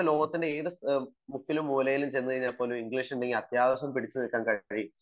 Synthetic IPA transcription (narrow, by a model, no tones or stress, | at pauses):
ɐlo̞ːɡɐt̪ːinde̞eːðɨmukːilumːuːlɐjilumt͡ɕe̞jnːɨkɐɻiɲːaːlpo̞ːlumiŋɡliːʂuɳɖe̞ŋɡilɐt̪jaːʋɐɕɐmpiɽit͡ɕːunilkːaːnkɐɻi